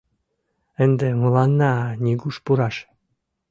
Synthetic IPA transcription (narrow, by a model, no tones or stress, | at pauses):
ənd̪emɤlɑnːɑnʲiɡuʃpuɾɑʃ